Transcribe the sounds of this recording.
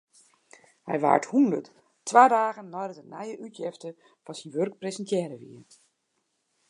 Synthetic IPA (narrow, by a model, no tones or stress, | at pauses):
hɛ̰jʋa̰ːɹthundə̰t | tʰːʋaːdaːɣənːɔjdətənɛjəʔytʰjɪftə | fɔnsinʋørk̚presəntʰjɛːɾəʋḭən